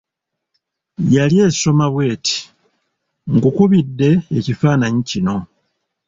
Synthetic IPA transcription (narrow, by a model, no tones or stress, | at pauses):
jalje̞ːso̞maβwe̞ːtʰi̥ | ŋɡukuβidːe̞ːcifaːnaɲicino̞